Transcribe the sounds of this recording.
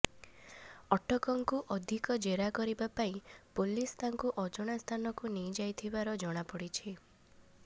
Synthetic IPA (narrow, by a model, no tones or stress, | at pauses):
ɔʈʰɔkɔŋkuʔɔd̪ʱikɔd͡ʒeɾakɔɾibapaipolist̪aŋkuʔɔd͡ʒɔɽ̃ast̪ʰanɔkunid͡ʒajt̪ʰibaɾɔd͡ʒɔɽ̃apɔɽit͡ʃʰi